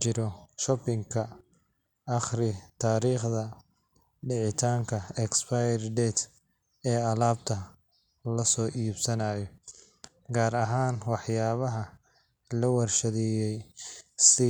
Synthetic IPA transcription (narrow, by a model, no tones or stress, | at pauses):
t͡ʃɪɾɔʃɔpɪŋkʰɐː | χrɪt̪ʰaːɾiːχðɐ | ɖɪʕɪt̪ʰaːŋkʰɐɛkspajɛrd̪ɛːt̪ | ɛːɐlaːb̚t̪ʰɐ | lɐsɔːʔiːbsɐnaːjɔ | ɡaːɾɐɦaːnwɑħjaːβɐɦɐ | lɐwɐrʃɐðɛjɛjsɪ